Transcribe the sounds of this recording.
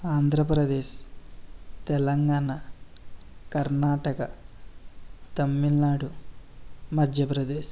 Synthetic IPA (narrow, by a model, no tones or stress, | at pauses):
aːnd̪ʱɾɐpɾɐd̪eːʃ | t̪ɛlɐŋɡaːnɐ | kɐɾnaːʈɐkɐ | t̪ɐmːilnaːɽu | mɐd̪ʱjɐpɾɐd̪eːʃ